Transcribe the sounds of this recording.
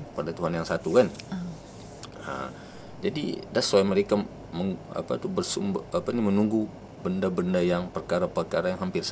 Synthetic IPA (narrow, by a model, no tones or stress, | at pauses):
padat̪uɦanjaŋsat̪ukan | ə̰ | d͡ʒadḭdaslaiməɾeka | məŋa̰pa̰t̪ubərsṵmbapanimənuŋɡu | bəndabəndajaŋpərkaɾapərkaɾajaŋɦampɪrs